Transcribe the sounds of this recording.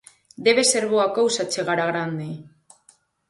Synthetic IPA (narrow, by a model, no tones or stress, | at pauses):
d̪e̞βese̞ɾβoakowsat͡seɣaɾaɣɾand̪e